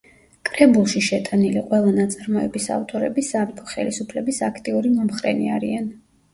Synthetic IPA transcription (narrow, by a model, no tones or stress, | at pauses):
kʼɾɛbulˠʃiʃɛt̪ʼaniliqʼwɛlˠanat̪sʼaɾmɔɛbisa̰vt̪ʼɔɾɛbisaɾipʰɔχɛ̰lisupʰlɛbisakʰt̪ʼiuɾimɔmχɾɛ̰nḭaɾian